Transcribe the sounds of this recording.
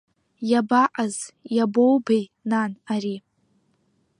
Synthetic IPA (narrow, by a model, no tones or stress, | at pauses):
jabaʔazjabowbejnanaɾi